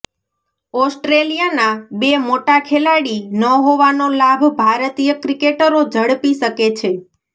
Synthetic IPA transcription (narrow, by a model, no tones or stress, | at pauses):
ɔsʈɾelijanabemoʈakʰelaɽinəɦoʋanolabʱbʱaɾət̪ijəkɾikeʈəɾod͡ʒəɽpiʃəket͡ʃʰe